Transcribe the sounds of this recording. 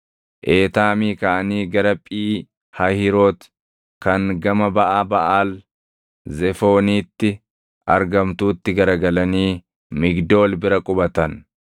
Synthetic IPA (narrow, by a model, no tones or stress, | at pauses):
ʔeːt̪aːmiːkɐʔɐniːɡɐɾɐpʼiː | hɐhɪɾoːt̪ | kɐŋɡɐmɐbɐʔaːbɐʔaːl | zɛfo̞ːniːt̪ːɪ | ʔɐ̰ɾɡɐmt̪uːt̪ːɪɡɐɾɐɡɐlɐniː | mɪɡd̪o̞ːlbɪɾɐkʼʊbɐt̪ɐn